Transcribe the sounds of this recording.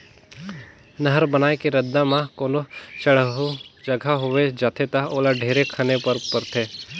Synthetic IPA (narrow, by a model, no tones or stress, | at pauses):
nəɦəɾbənaːekeɾəd̪ːãmãkoːnot͡ʃəɽɦd͡ʒəɡʱaɦʊʋed͡ʒaːt̪ʰet̪aɦoːlaɖʱeːɾekʰənepɐɾpəɾt̪ʰeː